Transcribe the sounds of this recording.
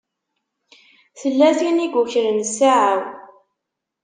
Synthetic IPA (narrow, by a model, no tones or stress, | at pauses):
θəlːæθiniɡʷuçɾənsaʕaw